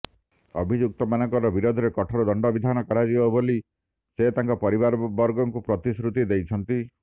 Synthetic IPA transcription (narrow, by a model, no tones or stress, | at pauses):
ɔbʱid͡ʒuk̚t̪ɔmanɔŋkɔɾɔbiɾod̪ʱɔɾekɔʈʰɔɾɔd̪ɔɳɖɔbid̪ʱanɔkɔɾad͡ʒibɔboli | set̪aŋkɔpɔɾibaɾbɔɾɡɔŋkupɾɔt̪isɾut̪id̪ejt͡ʃʰɔnt̪i